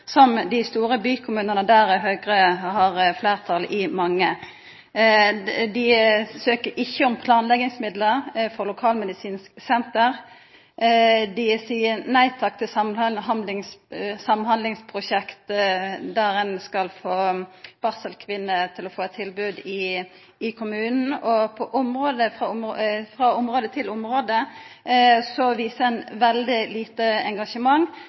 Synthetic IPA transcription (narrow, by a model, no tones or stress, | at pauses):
sɔmd̪ɪst̪uːɾəbyːkʰʊmʉːnənəd̪æɾɛɦøːɡʁəhɑʁfleːʁt̪ʰɑlʔɪmɑŋːə | d̪ɪsøːkəʔɪçːəɔmpʰlɑːnlɛɡɪŋsmɪd̪ləɾfɔɾlʊkʰɑːlmɛd̪ɪsiːnsksɛnt̪əɾ | d̪ɪsiːənæɪt̪ʰɑk̚t̪ʰɪsɑmhɑnd̪lɪŋssɑmnhɑnd̪lɪŋspʰʁʊʃɛkt̪d̪æɾɛnskɑlfoːb̥ɑsəlkʰʋɪnːət̪ʰɪlɔfoːɛt̪ʰːɪlbʉːd̪ɪ | ɪkʰʊmʉːnn̩ɔpʰɔʔʊmɾoːd̪əfʁɑfʁɑːʊmɾoːd̪ət̪ʰɪlʊmɾoːd̪ə | sɔʋiːsəɛnʋɛld̪ɪliːt̪əɛŋɡɑʂəmɑŋ